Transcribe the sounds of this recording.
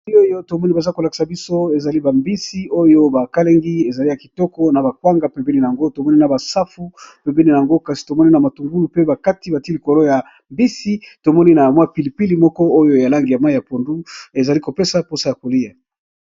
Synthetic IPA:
o˦jo˦to˨mɔ˦ni˦ba˨za˦ko˨la˨ki̥˨sa˨bi˦so˦e˨za˨li˦ba˨mbi˦si˦o˦jo˦ba˨ka˦le˦ŋɡi˦e˨za˨li˦ja˨ki̥˨tɔ˦kɔ˦na˨ba˨kwa˦ŋɡa˨pe˨mbɛ˦ni˨a˨ŋɡo˦to˨mɔ˦ni˦na˨ba˨sa˦fu˦pe˨mbɛ˦ni˨na˨a˨ŋɡo˦ka˨si̥˨to˨mɔ˦ni˦na˨ma˨tu˨ŋɡu˦lu˨pe˦ba˨ka˦ti˦ba˨ti˦li˨ko˨lo˦ja˨ | mbi˦si˦to˨mɔ˦ni˦na˨mwa˦pi˨li˨pi˦li˨mɔ˦kɔ˦o˦jo˦ja˨la˦ŋɡi˨ja˨ma˦i˨ja˨po˨ndu˦e˨za˨li˦ko˨pe˦sa˨˦po˦sa˦ja˨ko˨li˦ja˨

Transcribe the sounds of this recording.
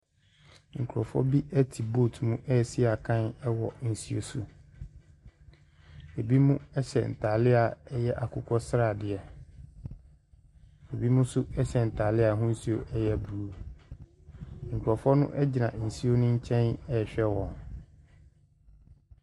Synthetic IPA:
ŋ̩˨kʰu˨ɾɔ˨fɔ̰˦bi˦ʔɛ˦tʰi˨bo˦˨tʰmũ˦ʔɛ˦˨si˦a˨kʰã˦nɛ˦wɔ˨n̩˨si˦o̰˦su˨ | e˨bi˦mũ˦ɛ˦ɕɛ̰˨n̩˨tʰa˨lɪ˦a˨ɛ˦jɛ˦ʔa˨kʰʊ˦kʰɔ˦sɾa˨dɪ˨ɛ˨ | e˨bi˦mʊ̃˦sʊ˦ɛ˦ɕɛ˨n̩˨tʰa˨lɪ˦a˨ɦʊ̃˦n̩˦si˦o˦˨ʔɛ˦jɛ˦˨bu˨ɾu˦ | ŋ̩˨kʰu˨ɾɔ˨fɔ˦nʊ̰̃˦ʔɛ˦d͡ʑi˨nã˨n̩˨si˦o˦nʊ̃˦ɲ̩˦t͡ɕʰɛ̃˦nɛ˦˨ɕᶣɛ˦wɔ̃˨n

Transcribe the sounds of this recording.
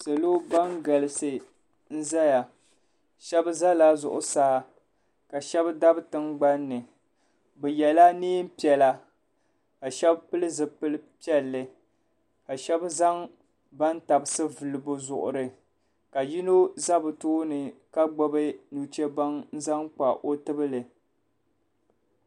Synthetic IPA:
sa˨lo˦ba˦ŋɡa˨lɪ˨sɨ˨ | n̩˦za˦ja˨ | ʃɛ˦bza˦la˦zʊ̰˨ʔʊ̰˨saː˦ | ka˨ʃɛ˦bda˦btɨ˦ŋɡ͡ba˦nːɨ˨ | bɛ˨jɛ˨la˦niː˦m˦pi˨ɛ˨la˦ | ka˨ʃɛ˦bpɨ˦lɨ˦zɨ˨pɨ˦lɨ˦pɛ˦lːɨ˨ | ka˨ʃɛ˦bza˦ŋ | ba˦n˦ta˨bɨ˨sɨ˦vɨ˨lɨ˨bʊ˦zʊ̰˨ʔʊ̰˨ɾɨ˦ | ka˨ji˦no˦za˦bɨ˨toː˦nɨ˨ka˦ɡ͡bɔ˦bɨ˦nu˨t͡ʃɛ˦ba˦ŋn̩˦za˦ŋk͡pa̰˨ʔo˦tɨ˦bɨ˦lɨ˨

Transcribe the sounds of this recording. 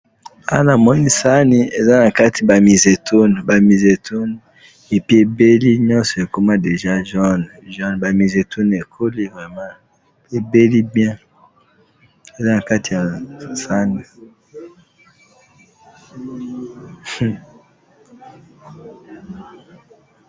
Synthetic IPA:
a̰˦na˨mɔ˦ni˦sa˦ni˦e˨za˦na˨ka˦ti˨ba˨mi˨ze˨tʰo˦n˨ba˨mi˨ze˨tʰu˦n | e˨pi˦e˨be˦li˦ɲɔ̃˦sɔ˨e˨ko˦ma˦de˨ʒa˦ʒɔ˦n | ʒɔ˦nba˨mi˨ze˨tʰu˦ne˨kʰo˦li˦vʁɛ˨mã˦ | e˨be˦li˦bjɛ̃˦ | e˨za˦na˨ka˦ti˨ja˨sa˦ni˨

